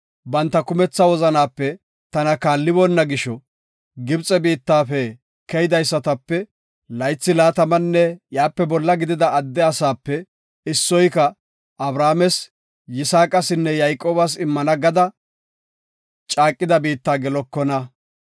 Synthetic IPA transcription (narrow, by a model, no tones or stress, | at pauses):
bɐnt̪ːɐkʊmɛt͡sːɐwɔzɐnaːpːɛ | t̪ɐnɐkaːlːɪbɔnːɐɡɪʃɔ | ɡɪbt͡sʼɛbiːt̪ːaːfɛ | kɛjɪd̪ɐjsːɐt̪ɐpːɛ | lɐjt͡sːɪlaːt̪ɐmɐnːɛjaːpːɛbɔlːɐɡɪd̪ɪd̪ɐɐd̪ːɛɐsaːpːɛ | ɪsːɔjkɐ | ɐbɾaːmɛs | jɪsaːkʼɐsɪnːɛjajkʼoːbɐs̬ɪmːɐnɐɡɐd̪ɐ | t͡ʃʼaːkʼːɪd̪ɐbiːt̪ːaːɡɛlɔkːɔnɐ